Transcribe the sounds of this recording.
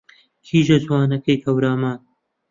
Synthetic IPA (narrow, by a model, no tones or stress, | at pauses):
kʰiːʒɐzwaːnɐkɐjk̪ʰɐwɾaːmaːn